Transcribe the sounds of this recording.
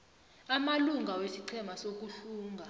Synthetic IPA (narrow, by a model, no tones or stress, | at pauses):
amaluŋɡʱawesiǀʰɛmasok̬uɬuːŋʱa